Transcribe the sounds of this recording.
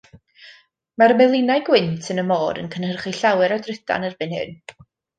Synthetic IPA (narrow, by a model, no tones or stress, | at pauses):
maɾəmɛlˠɪnajɡwɪntʰənəmoːɾə̰nkʰənhərχiɬawɛɾɔdrɪda̰nərbɨnhɨ̰n